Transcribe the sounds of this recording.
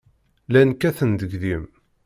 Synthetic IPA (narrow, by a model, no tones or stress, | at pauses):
lænkæθənd̪əɡðim